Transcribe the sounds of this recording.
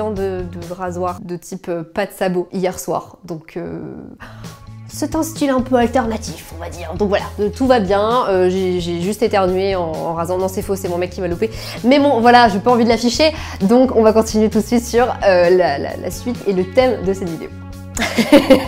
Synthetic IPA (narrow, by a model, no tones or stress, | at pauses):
ɑ̃d̪əd̪əʁazwaʁd̪ət̪ʰipøpad̪əsaboʔijɛʁswa̰ːʁd̪ɔ̃kʰø̰ | sɛt̪ɛ̃st̪ilɛ̃pøalt̪ɛʁnat̪ʰifɔ̃vad̪iːʁd̪ɔ̃kvwalat̪uvabjɛ̃øʒeʒeʒyst̪et̪eʁənɥeɑ̃ɑ̰̃ʁazɑ̃nɔ̃sɛfosɛmɔ̃mɛkʲːivalupe | mɛmɔ̃vwalaʒepaɑ̃vid̪əlafiʃe | d̪ɔ̃kɔ̃vakɔ̃t̪inɥet̪ut̪sɥit̪syʁølala̰la̰sɥit̪elət̪ɛmd̪əsɛt̪vid̪ḛo